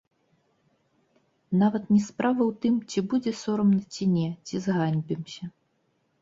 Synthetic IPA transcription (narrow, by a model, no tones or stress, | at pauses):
navɐt̪nʲɛspɾavɐwt̪ɨmt͡sʲibud͡zʲɛsɔɾɐmnɐt͡sʲinʲɛt͡sʲizɣanʲbʲimsʲɐ